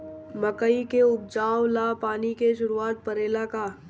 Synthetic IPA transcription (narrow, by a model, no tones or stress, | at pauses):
məkəikeʊb̚d͡ʒaːʋlapaːnikeʃ̬ʊɾuaːt̪̚pəɾeːlakaː